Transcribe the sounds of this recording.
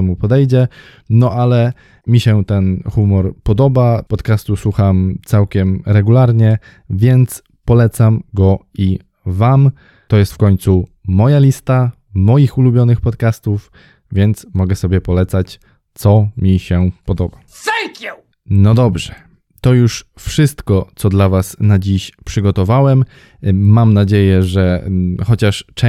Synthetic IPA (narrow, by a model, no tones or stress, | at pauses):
ɛmupɔd̪ɛjd͡ʑɛ | nɔʔalɛ | mʲiɕɛt̪ɛnxumɔɾpɔd̪ɔbapɔt̪kast̪uswuxamt̪sawkʲɛmɾɛɡulaɾɲɛ | vʲjɛnt̪s | pɔlɛt̪samɡɔ | i | vam | t̪ɔjɛst̪fkɔɲʲt̪sumɔjalʲist̪a | mɔjixulubʲjɔnɘxpɔt̪kast̪uf | vʲjɛnt̪smɔɡɛsɔbʲjɛpɔlɛt̪sat͡ɕ | t̪sɔmʲiɕɛpɔd̪ɔba | sɛŋkju | nɔd̪ɔbʐɛ | t̪ɔjuʂfʂɘst̪kɔt̪sɔd̪lavasnad͡ʑiɕpʂɘɡɔt̪ɔvawɛm | mamnad͡ʑejɛʐɛxɔt͡ɕaʂt͡ʂɛ